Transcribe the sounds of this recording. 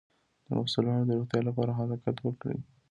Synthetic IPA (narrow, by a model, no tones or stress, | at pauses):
d̪̥ə̰masulɑnod̪əɾoxt̪jɑlapɑɾaɦadɑqat̪wəkɽḭ